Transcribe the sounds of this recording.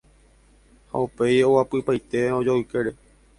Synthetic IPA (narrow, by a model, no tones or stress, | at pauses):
ha̰upe̞jo̞wapɨpajt̪e̞od͡ʒoɨkeɾe